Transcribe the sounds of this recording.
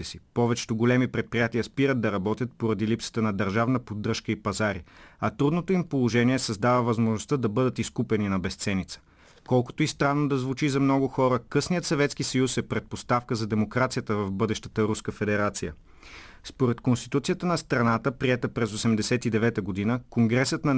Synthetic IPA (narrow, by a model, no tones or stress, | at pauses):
ɛsipɔvɛt͡ʃɛ̥t̪oɡolɛmipɾɛt̪̚pɾijat̪iəspiɾəd̪̚d̪ɐɾɐbɔt̪ʲjət̪̚poɾɐd̪ilipsə̥t̪ənɐd̪ɐɾʒavnəpod̪ːɾɤʃkəipɐzaɾiɐt̪ɾud̪not̪oimpolˠoʒɛniɛsɐzd̪avəvɐzmoʒnost̪əd̪ɐbɤd̪ət̪iskupɛninɐbɛst̪sɛnit̪sə̥ | kɔlˠko̥t̪oist̪ɾanːod̪ɐzvut͡ʃizɐmnɔɡʊxɔɾəkɤsnijət̪sɐvɛt̪skisɐjusɛpɾɛt̪̚post̪afkəzɐd̪ɛmokɾat̪sijət̪əvɐvbɤd̪ɛʃt̪ə̥t̪əɾuskəfɛd̪ɛɾat̪sijə | spoɾɛt̪konst̪i̥t̪ut̪sijət̪ənɐst̪ɾɐnat̪əpɾiɛt̪əpɾɛzosɛmd̪ɛsɛt̪id̪ɛvɛt̪əɡod̪inəkoŋɡɾɛsət̪nɐ